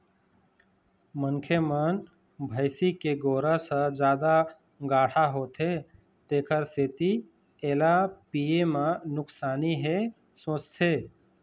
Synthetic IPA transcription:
məŋkʰemən | bʱəɪsikeɡoːɾə̃sə̃d͡ʒjaːd̪a | ɡaːʈʰaɦot̪ʰɦe | t̪eːkʰəɾset̪i | eːlapiemãnʊksaːniɦe | sõːt͡ʃt̪ʰeː

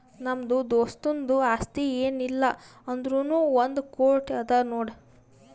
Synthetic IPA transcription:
nɐmd̪ud̪oːst̪ond̪uɐst̪ieːnilːɐɐnd̪ɾunuːʋond̪ukoːɾʈɐd̪ɐnoːɽ

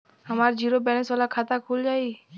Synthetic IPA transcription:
həmaːɾd͡ʒiːɾobɛːnesʋaːlakʰaːt̪akʰuːld͡ʒaːiː

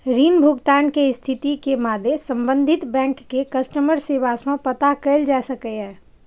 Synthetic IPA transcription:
ɾiːnbʱʊɡt̪aːnkeɪst̪ʰɪt̪ikemaːd̪ʱesə̃mbə̃nd̪ʱɪt̪bɛ̃ːŋkːekɐsʈəməɾseːʋasõpɐt̪akəɪld͡ʒaːsəkəɦɛ̃ː

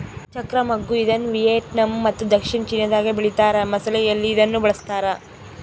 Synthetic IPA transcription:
t͡ʃɐkɾɐmɐɡːuid̪ɐnːuʋijeːʈnɐmːɐt̪ːud̪ɐkʂiɳt͡ʃinːjɐd̪aːɡebiɭit̪aːɾɐmɐsɐlɛjɐlːiːd̪ɐnːubɐɭɐst̪aːɾɐ

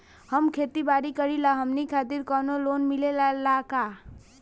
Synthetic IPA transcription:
həmkʰet̪ibaɾikəɾilaɦəmnikʰat̪iɾkɔnolonmilelalaka

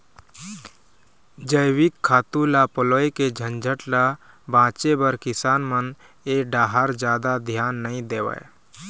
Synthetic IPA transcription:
d͡ʒəjwɪkʰːaːt̪ũlapəloːjked͡ʒʱənd͡ʒʱəʈla | bʱãːt͡ʃebəɾkɪsaːnmən | eːɖaːɦaɾd͡ʒjaːd̪ad̪ʱjaːnːəĩd̪eːʋə̰

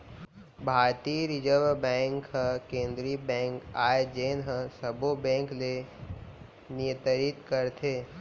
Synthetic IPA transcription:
bʱaːɾt̪iɾɪd͡ʒəɾʋbɛ̃ːŋkɦə̃kẽːnd̪ɾibɛ̃ːŋkaːed͡ʒeːnɦə̃səbobɛ̃ːŋkle | nɪjə̃t̪əɾit̪kəɾt̪ʰeː

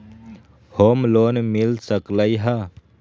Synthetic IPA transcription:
hoːmloːnmɪlsəkləiɦa

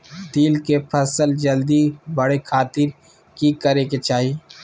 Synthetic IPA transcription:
d̪iːlkepʰɐsəld͡ʒəld̪ibəɽekʰaːt̪ɪɾ | kikəɾeket͡ʃaːɦi

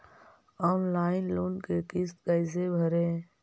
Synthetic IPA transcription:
ɔːnlaːɪnloːnkekɪst̪ɡaːɪzebʱəɾẽː

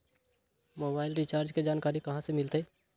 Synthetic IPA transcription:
moːbaːɪlɾit͡ʃaːɾd͡ʒked͡ʒaːnkaːɾikɐɦãsemɪlt̪eː

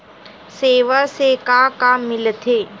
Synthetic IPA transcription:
seːʋasekakamːɪlət̪ʰeː

